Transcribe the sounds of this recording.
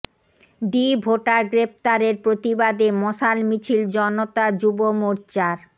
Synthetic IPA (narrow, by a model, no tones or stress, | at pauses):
d̪ibʱoʈaɡɾep̚t̪aɾeɾpɾot̪ibad̪emɔʃalmit͡ɕʰild͡ʑɔnot̪ad͡ʑubomoɾt͡ɕaɾ